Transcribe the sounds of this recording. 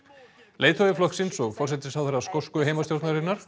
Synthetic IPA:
leːjt̪ʰɔvɪflɔhksɪnsɔɣfɔr̥sɛt̪ɪsawθɛɾaskowskʏejmast̪jowɾt̪naɾɪnaɾ̥

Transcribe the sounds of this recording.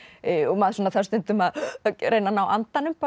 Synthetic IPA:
ɔɣmaðsɔnaθaɾ̥st̪ʏnt̪ʏmaðɾejnanaːwʔa̰nt̪anʏmpa

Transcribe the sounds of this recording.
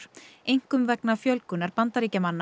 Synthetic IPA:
ɾejŋ̥kʏmvɛknafjœlkʏnaɾpant̪aɾiːcamanːa

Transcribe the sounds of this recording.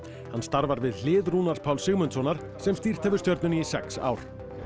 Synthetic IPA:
hanst̪aɾvaɾvɪðl̥ɪːðɾuːnaɾt̪̚pʰaːwlsɪɣmʏnt̪sɔnaɾ̥ | sɛmst̪i̥t̪ʰɛvʏɾ̥st̪jœɾt̪nʏnisɛ̰ksa̰ːwɾ̥

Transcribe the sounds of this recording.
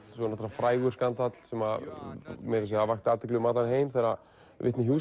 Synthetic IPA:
sɔnat̪aɾafɾaːjɣʏɾskant̪at̪l̥sɛma | mɛjɾɪs̬iavaxt̪aːt̪ɪk̬lʏmaːt̪anheːjmθɛɾa | vɪ̰ht̪nɪɦjuː

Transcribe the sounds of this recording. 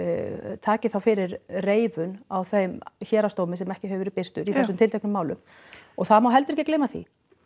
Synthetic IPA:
t̪ʰaːcɪθawfɪɾɪɾreːjvʏnawθejmçɛːɾast̪oːwmɪsɛmɛhcɪɦœːvʏɾɪpɪr̥t̪ʏɾiθɛsʏmt̪ʰɪlt̪ʰɛknʏmːaːwlʏ̰m | ɔɣθaðmawɦɛlt̪ʏɾɛhcɪkleːjmaθḭ

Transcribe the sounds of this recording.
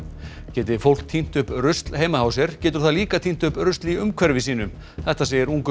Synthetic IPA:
cɛːt̪ɪfowl̥kt̪ʰin̥t̪ʏhpɾʏst̪lheːjmahaːwsɛɾ̥cɛːt̪ʏɾ̥θaðliːkat̪ʰin̥t̪ʏpɾʏst̪lɪʏmkʰvɛɾvɪs̬iːnʏm | θɛht̪aseːjɪɾuŋkʏ

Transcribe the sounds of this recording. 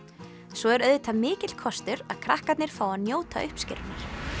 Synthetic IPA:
sɔɛɾœðɪt̪ʰamɪːcɪt̪l̥kʰɔst̪ʏɾaðkʰɾahkat̪nɪɾ̥faːwanjoːwt̪ʰa̰ʏhpscɪ̰ɾnaɾ̥

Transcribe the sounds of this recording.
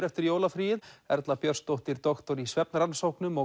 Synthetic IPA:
ɾɛft̪ɪɾjoːwlafɾiːjɪðɛɾt̪lapjœr̥st̪owht̪ɪɾt̪ɔxt̪ɔɾisvɛp̚nɾansowknʏmɔ

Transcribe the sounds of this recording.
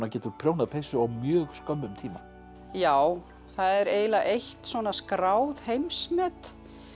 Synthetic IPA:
nacɛːt̪ʏɾ̥pʰɾjownaðpʰejsʏawmjœːɣskœmːʏmt̪ʰiːma | jaːw | θaðɛɾeːjlaʔejht̪sɔnaskɾaːwðhejmsmɛt̪

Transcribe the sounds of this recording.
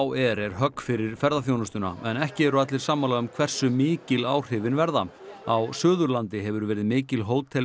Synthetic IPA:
wɛɾɛɾ̥ɦœkːfɪɾɪɾ̥fɛɾðaθjownʏst̪ʏna̰ɛnɛhcɪɛɾʏat̪lɪɾ̥saːmːalaʏmkʰvɛr̥sʏmɪːcɪlaːwr̥ɪvɪnvɛɾða | awsœːðʏɾlant̪ɪɦɛvʏɾvɛːɾɪðmɪːcɪlɦoːwt̪ʰɛl

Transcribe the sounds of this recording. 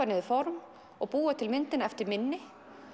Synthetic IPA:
anɪðʏfɔɾm | ɔɣpuːat̪ʰɪlmɪnt̪ɪnɛft̪ɪɾmɪnːɪ

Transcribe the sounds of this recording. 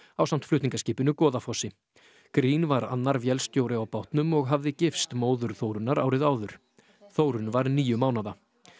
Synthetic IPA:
awsam̥t̪flʏht̪niŋkasciːpɪnʏkɔːðafɔsɪ | kɾiːnvaɾa̰nːaɾvjɛlst̪joːwɾɪawpawht̪nʏmɔɣɦavðɪcɪfst̪moːwðʏɾ̥θoːwɾʏnaɾaːwɾɪðaːwðʏɾ̥ | θowɾʏnvaɾniːjʏmaːwnaða

